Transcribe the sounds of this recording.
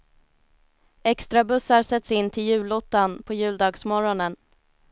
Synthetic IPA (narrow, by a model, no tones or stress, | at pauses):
ɛkst̪ɾabɵsːaɾsɛt̪sɪnːt̪ʰɪljʉ̟ːlɔt̪ːanpʰɔjʉ̟ːld̪ɑːɡsmɔɾɔnən